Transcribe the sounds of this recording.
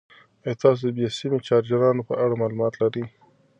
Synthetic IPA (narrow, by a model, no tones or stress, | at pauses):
əjt̪ɑs̬od̪əbjɑsimet͡ʃɑɾd͡ʒaɾɑnopəʔaɽamɑlumɑt̪laɾi